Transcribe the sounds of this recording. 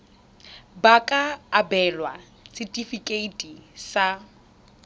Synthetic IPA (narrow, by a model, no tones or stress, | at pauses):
bakʼaːbɛlwa | sitʼifikʼeitʼisa